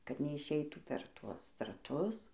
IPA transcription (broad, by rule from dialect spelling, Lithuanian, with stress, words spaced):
kɐt nʲɛɪʃʲˈɛɪtuː pʲɛr ˈtuɔs drɐˈtʊs